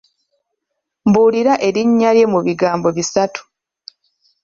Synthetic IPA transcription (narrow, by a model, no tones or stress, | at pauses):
mbuːliɾaʔe̞ɾiɲːalje̞muβiɡaːmbo̞βisatʰu̥